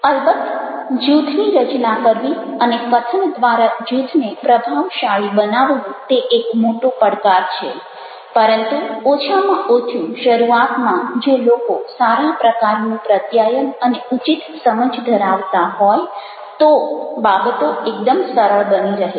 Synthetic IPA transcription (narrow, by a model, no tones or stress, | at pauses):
əlbət̪ːd͡ʒut̪ʰniɾət͡ʃnakəɾʋiənekət̪ʰəɳd̪ʋaɾad͡ʒut̪ʰnepɾəbʱaʋʃaɭibənaʋnũt̪eʔekmoʈũpəɽkaɾt͡ʃʰe | pəɾənt̪uot͡ʃʰamãʔot͡ʃʰũʃəɾuat̪mãd͡ʒolokosaɾapɾəkaɾnũpɾət̪jajənəneut͡ʃit̪səməd͡ʒd̪ʱəɾaʋt̪aɦɔj | t̪obabət̪oek̚d̪əmsəɾəɭbəniɾəɦe